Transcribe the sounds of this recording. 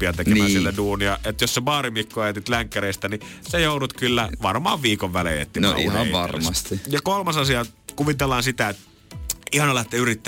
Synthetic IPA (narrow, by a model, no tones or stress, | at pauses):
iɑt̪ekemænsilt̪æduːniɑet̪josseʋɑːrimikːuɑjet̪it̪læŋkːæreist̪ænisejoˑuɾut̪kylːæʋɑrmɑ̰ːʋʋiːkoʋʋælḛjḛt̪ːin̰hɑʋɑrmɑst̪ijɑkolmɑsɑsiɑkuʋit̪elːɑːnsit̪æet̪ | ihɑnɑlɑhet̪ːeyrit̪ːæ